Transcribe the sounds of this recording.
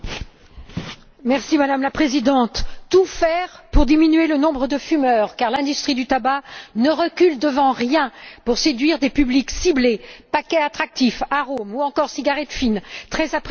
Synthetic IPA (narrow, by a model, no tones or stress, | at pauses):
mɛʁsimad̪amlapχezid̪ɑ̃t̪t̪ufɛʁpuʁd̪iminɥelənɔ̃bʁəd̪əfymœʁkaʁlɛ̃d̪yst̪χid̪yt̪abanəʁəkʲyld̪əvɑ̃ʁjɛ̃puʁsed̪ɥiʁd̪epybliksiblepakʲɛat̪χak̚t̪ifaʁomuɑ̃kɔʁsiɡaʁɛt̪fint̪χɛzapχ